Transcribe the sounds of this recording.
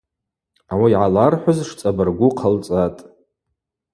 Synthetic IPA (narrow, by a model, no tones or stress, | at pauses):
awajʕalarħʷʊzʂt͡sʼabarɡʷʊqʰalt͡sʼatʼ